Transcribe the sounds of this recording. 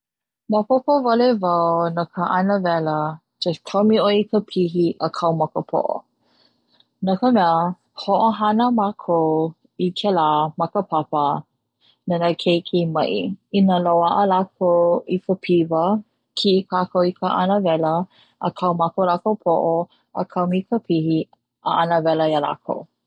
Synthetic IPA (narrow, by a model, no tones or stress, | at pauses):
məpopəvalevawnakʰəʔanəvɛlə | t͡ʃetʰomiojikʰəpʰiɦiʔəkʰɐwmɐkəpʰo̰ʔo̰ | nəkəmɛə | hoʔoɦanəmakʰow | ikʰɛlaːmɐkəpʰapə | nanəkʰejkʰemɐ̰ʔḭinəlowaʔəlakʰowifəpʰivə | kʰiʔikʰakowikʰəʔa̰nəvɛlə | ə̰kʰɐwmakowlakowpʰoʔo | ə̰kʰamikʰəpʰihi | ə̰ʔanəvɛləiala̰kʰo̰w